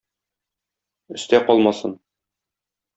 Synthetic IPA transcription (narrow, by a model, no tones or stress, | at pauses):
ɵ̆st̪æqɒlˠmɑsɤn